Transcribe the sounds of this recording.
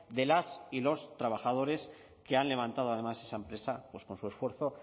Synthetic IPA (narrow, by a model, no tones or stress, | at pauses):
d̪e̞lasilo̞st̪ɾaβ̞axað̞o̞ɾe̞s | ke̞anle̞β̞ãnt̪að̞o̞aðe̞mase̞saempɾe̞sapwe̞sko̞nsue̞sfwe̞ɾθo̞